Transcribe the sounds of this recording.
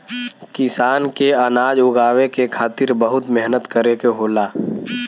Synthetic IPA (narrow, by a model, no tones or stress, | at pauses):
kɪsaːnkeənaːd͡ʒʊɡaːwekekʰaːt̪ɪɾbəɦʊt̪mɛɦnət̪kəɾekeɦoːlaː